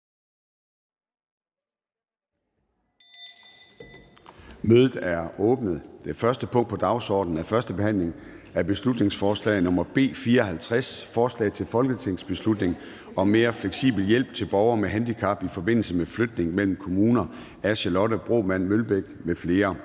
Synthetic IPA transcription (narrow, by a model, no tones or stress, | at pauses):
møːðˠð̩ˠæɐɔ̽ːb̥nəð̩ˠd̥e̝fɶɐsd̥əpʰɔ̽ŋ̰d̥pʰɒ̽d̥ɑ̈ʊsɒ̰ːd̥n̩æɐfɶɐsd̥əb̥e̝hæn̰leŋæɐb̥e̝slud̥ne̝ŋsfɒːslɛ̰ɪnɔ̽mɐb̥e̝̰ːfiːɐɒ̽ɦælt͡sʰʁasfɒːslɛ̰ɪt͡sʰe̝lfɒ̽lɡ̥ət͡sʰe̝ŋ̰sb̥e̝slud̥ne̝ŋ | ɒ̽me̝ːɐfleɡ̥sḭːb̥l̩jel̰b̥̚t͡sʰe̝lb̥ɒʊɐmeɦænd̥ikʰɑ̈b̥ifɒ̽be̝n̰l̩səmefløɡd̥ne̝ŋmel̰m̩kʰo̝muːnɐ | æɕəlɒ̽dəb̥ʁo̝̰ːmæn̰mølb̥eɡ̥mefle̝ːɐ